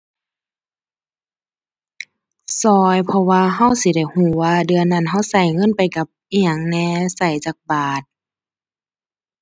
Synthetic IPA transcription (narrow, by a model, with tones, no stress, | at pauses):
sɔː˧jpʰɔ˧waː˧ɦa˧˥˨wsi˧˦da˧˩jhuː˧˩waː˧dɯ˧ɐənːa˧˥˨nɦa˧˥˨wsa˨˩jŋɤ˧˥˨npa˨jka˧˦p̚ʔi˧aə˨˩ŋnɛː˧sa˨˩jt͡ɕaː˧˦˩k̚baː˨˩t̪̚